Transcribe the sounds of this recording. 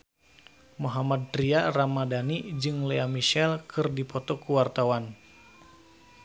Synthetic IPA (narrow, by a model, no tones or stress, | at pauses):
moɦamad̚tɾiaramadanid͡ʒɨŋleamiʃɛlkʰɨrdipʰɔt̪ɔkuwart̪awan